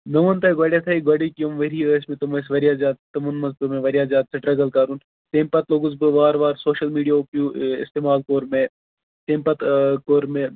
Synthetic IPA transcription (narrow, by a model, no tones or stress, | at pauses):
nɐʋɐnt̪ɐɡaːɽjat̪ʰɐiɡwaːɽikijomʋɐɾiəːsmẽt̪ɐmɐsʋɐɾijaːd͡ʒaːd̪̚t̪ɐmunmɐzpɨmẽʋɐɾijaːd͡ʒaːd̪̚sɐʈɾɐɡɐlkaːɾuːn | t̪eːmpɐt̪loːɡʊzbɨʋaːɾʋaːɾsoːʃɐlmiːɖijapjuːɪ̰st̪eːmaːlkoːɾmẽ | t̪eːmpɐt̪koːɾmẽ